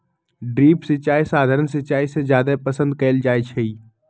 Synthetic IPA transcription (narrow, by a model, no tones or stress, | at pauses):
ɖɾiːpsɪt͡ʃaːisaːd̪ʱaːɾənsɪt͡ʃaːisezjaːd̪apəsə̃nd̪̚kɛːld͡ʒaːjt͡ʃʰei